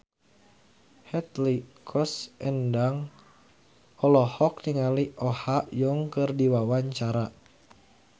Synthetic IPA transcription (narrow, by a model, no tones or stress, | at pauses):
hɛt̪likʰɔsɛndaŋ | ɔlɔhɔk̚niŋaliʔɔhaʔjɔŋkɨrdiwawaɲt͡ʃaɾa